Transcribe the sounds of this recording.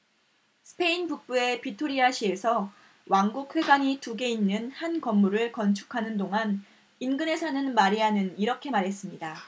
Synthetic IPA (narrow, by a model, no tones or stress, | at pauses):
sʰɯ̥pʰe̞inpuk̚p͈ue̞pitʰoɾiaɕʰie̞sʰʌ | waŋɡuk̚ɸe̞ɡaɲituɡe̞inːɯnhankʌmːuɾɯɭkʌnt͡ɕʰu̥kʰanɯndoŋan | inɡɯne̞sʰʌnɯnmaɾiɦanɯniɾʌkʰe̞maɾɦe̞s͈ɯmɲida